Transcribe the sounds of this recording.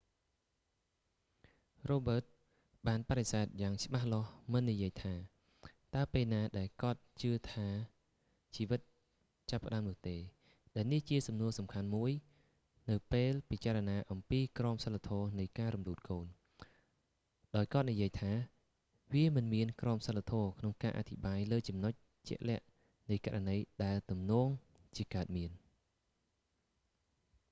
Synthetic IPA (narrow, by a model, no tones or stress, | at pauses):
roːɓəːt̪̚ | ɓaːnpaɗesaɛt̪̚jaːŋt͡ɕə̆ɓahlŏəhmɨnːijiəjt̪ʰaː | t̪aəpeːlnaːɗaɛlkŏət̪̚t͡ɕɨət̪ʰaː | t͡ɕiːʋɨt̪̚ | t͡ɕapːə̆ɗaəmnʊ̆əht̪eː | ɗaɛlniht͡ɕiəsɑmnuəsɑmkʰanmuəj | nɨwpeːlpit͡ɕaːɾanaːʔɑmpiːkrɑəmsəlːat̪ʰɔːnɨjkaːɾumluːt̪̚koːn | ɗaɔjkŏət̪̚nijiəjt̪ʰaː | ʋiəmɨnmiənkrɔːmsəlːat̪ʰɔːkʰnoŋkaːʔa̰t̪ʰiɓaːjləːt͡ɕɑmnoc̚ | t͡ɕɛ̰̆əʔlɛ̆əʔ | nɨjka̰ʔranəjɗaɛlt̪umnɔːŋ | t͡ɕiəkaət̪̚miən